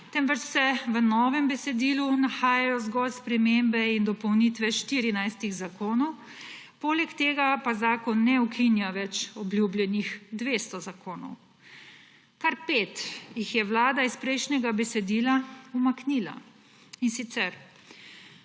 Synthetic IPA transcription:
t̪ɛmʋət͡ʃsɛʋənɔːʋɛmbɛsɛd̪iːlunaxaːjajɔzɡɔlspɾɛmembɛind̪ɔpɔwniːt̪ʋɛʃt̪iːɾinajst̪iɣzakoːnɔw | poːlɛkt̪eːɡapazaːkɔnːɛukʰinjaʋɛt͡ʃɔbljubljɛnixd̪ʋeːst̪ɔzakoːnɔ̰w | kaɾpeːt̪jixjɛwlaːd̪aispɾɛjʃnɛɡabɛsɛd̪iːlaumakniːla̰ | insit̪sɛɾ

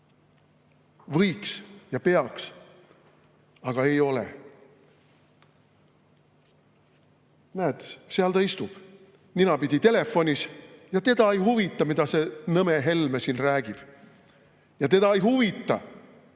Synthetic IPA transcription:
vɤjksjɑpe̞ɑks | ɑɡ̥ɑe̞jo̞lḛ | næːt̪ːˑsseɑlt̪ɑist̪ub̥ | ninɑpid̪̥ʲit̪e̞le̞fo̞nʲisjɑt̪e̞d̪ɑejhuvit̪ːˑɑmid̪̥ɑse̞nɤme̞ɦe̞lmesinræːɡ̥ib̥ | jɑt̪e̞d̪ɑejhuvit̪ːˑɑ

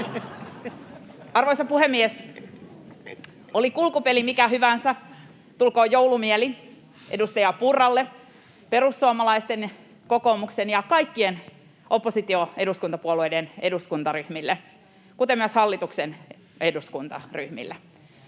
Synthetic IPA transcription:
ɑrʋoisɑpuɦemːies | olikulkupelimikæɦyʋænsæ | t̪ulkoːjowlumieli | ʔedust̪ɑjɑpurːɑlːe | pe̞ɾusːuomɑlɑist̪en | ko̞ko̞muksenjɑkɑijkːien | ʔo̞pːosit̪ioe̞duskunt̪ɑpuoluejdeneduskunt̪ɑryhmilːe | kut̪emyæshɑlːit̪uksen | eduskunt̪ɑ̰ryhmḭlːe

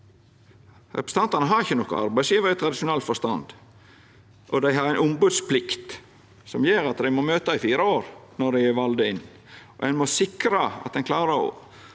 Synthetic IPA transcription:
ɾɛ̰pɾɛ̥st̪ɑnt̪ɑnəɦɑɾɪçːənɔkːə̰ɑ̰ɾbæɪsjiːʋəɾət̪ʰɾɑd̪ɪʂʊnɛlt̪fɔst̪ɑnd̪ | ʔɔd̪æɪɦɑɾæɪnʔʊmbʉːd̪spʰlɪkt̪ | sɔmjeːɾɑt̪d̪æɪmɔmøːt̪ɑɪfiːɾəoːɾnɔɖæɪæʋɑld̪əɪnː | ʔɔ̰ʔɛnmɔsɪkɾəɑ̰t̪d̪ɛnkʰlɑːɾəɔ̰

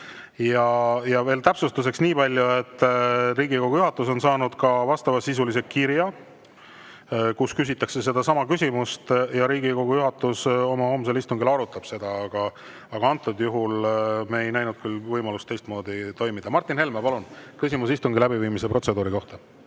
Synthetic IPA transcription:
jɑjɑve̞ːlt̪æpsust̪use̞ksniːpɑlʲjue̞t̪ːriːɡiko̞ɡ̥ujuɦɑt̪ːˑus̬o̞nsɑːnud̪̥kɑvɑst̪ɑvɑsisulis̬ekkirjɑ | kuskys̬ʲit̪ːˑɑkse̞s̬e̞d̪̥ɑsɑmɑkysʲimust̪jɑɾiːɡiko̞ɡ̥ujuɦɑt̪ːˑuso̞mɑho̞ːms̬elist̪uŋɡilɑɾut̪ːˑɑb̥se̞d̪̥ɑɑɡ̥ɑ | ɑɡ̥ɑɑnt̪ːˑud̪̥juɦulmeːjnæjnud̪̥̚kylvɤjmɑlust̪ːe̞jst̪mo̞ːd̪̥it̪o̞jmid̪̥ɑmɑrt̪ːˑinhe̞lmepɑlunkysʲimusist̪uŋɡilæbiviːmise̞pro̞t̪se̞d̪uːɾiko̞ht̪ɑ

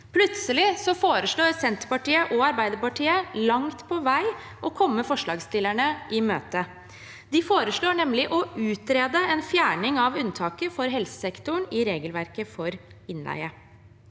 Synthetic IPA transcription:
pʰlʉt̪səlɪsɔfoːɾəʂɭoːɾsɛnt̪əɾpɑʈiːəʔɔɑɾbæɪd̪əɾpɑʈʰiːəlɑŋt̪pʰɔʋæɪ | ʔɔkʰɔmːəfɔʂɭɑːɡst̪ɪlæɳəʔɪmøːt̪ə | d̪ɪfoːɾəʂɭoːɳɛmlɪʔɔʔʉːt̪ɾeːd̪əɛnfjæːɳɪŋɑʋʉnt̪ʰɑːkəfɔɾɦɛlsə̥sɛkt̪ʊɳɪɾeːɡəlʋæɾkəfɔɾɪnlæ̰ɪə

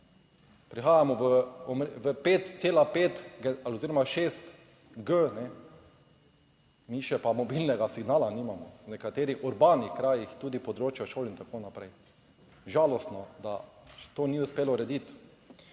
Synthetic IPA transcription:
pɾixaːjamɔʋəɔmɾʋəpet̪seːlapeːt̪ɡɛalioziːɾɔmaʃeːst̪ | ɡənɛ | miːʃɛpamɔbilnɛɡasiɡnaːlaniːmamɔnɛkat̪eːɾixuɾbaːnixkɾaːjixt̪uːd̪ipɔd̪ɾoːt͡ʃjaʃoːlint̪akoːnapɾɛ̰j | ʒaːlɔst̪nɔd̪at̪oːniʊspeːlɔɾɛd̪it̪

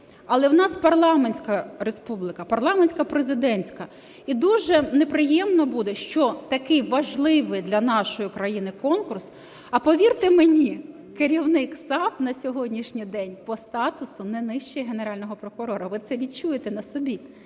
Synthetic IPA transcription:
ɐlˠɛwnɑspɐrlˠɑmenʲsʲkɐɾespublˠɪkɐpɐrlˠɑmenʲsʲkɐpɾezɪd̪ɛnʲsʲkɐ | id̪uʒɛnepɾɪjɛmnɔbud̪ɛʃt͡ʃɔt̪ɐkɪjʋɐʒlˠɪʋɪjd̪lʲɐnɑʃɔjʊkɾɐjinɪkɔnkʊrs | ɐpɔʋʲirt̪ɪmenʲi | keɾʲiwnɪksɑpnɐsʲɔɦɔdʲnʲiʃnʲijd̪ɛnʲpɔst̪ɑt̪ʊsʊnɛnɪʃt͡ʃejɐɦeneɾɑlʲnɔɦɔpɾɔkʊɾɔɾɐʋɪt̪sɛʋʲit͡ʃujet̪ɛnɐsɔbʲi

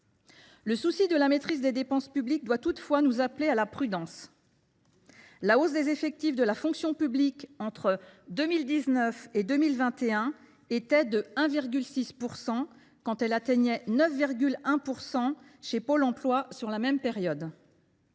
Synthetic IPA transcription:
ləsusid̪əlamet̪χizd̪ed̪epɑ̃spyblik̚d̪wat̪ut̪fwanuzaplealapχyd̪ɑ̃s | laos̬d̪ezefɛk̚t̪ifd̪əlafɔ̃ksjɔ̃pyblikɑ̃t̪χəd̪ømild̪iznœfed̪ømilvɛ̃t̪eɛ̃ | et̪ɛd̪əɛ̃viʁɡʲylsispuʁsɑ̃ | kɑ̃t̪ɛlat̪ɛɲɛnœfviʁɡʲylɛ̃puʁsɑ̃ʃepolɑ̃plwasyʁlamɛmpeʁjɔd̪

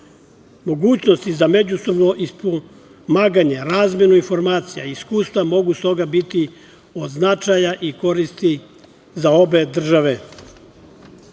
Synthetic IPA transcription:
mo̞ɡuːt͡ɕno̞st̪izame̞d͡ʑuso̞bno̞ʔispo | maːɡaɲe̞ɾaːzmje̞nuinfo̞ɾmaːt̪sija̰iskuːst̪ʋamo̞ɡust̪o̞ɡabit̪i | od̪znat͡ʃajaʔiko̞ɾist̪i | zao̞be̞d̪r̩ʒaʋe̞

